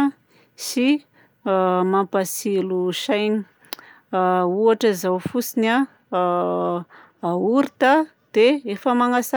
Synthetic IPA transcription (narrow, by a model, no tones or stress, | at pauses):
si | mampasiluʃajɲi̥ | uaʈ͡ʂəizawfusina | auɾit̪a | d̪̥eefəmaŋasa